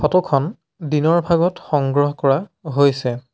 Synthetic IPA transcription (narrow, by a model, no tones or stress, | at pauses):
xɔtɔkʰɔn | dinɔɹbʱaɡɔtxɔŋɡɹɔɦɔkɔɹaɦojsɛ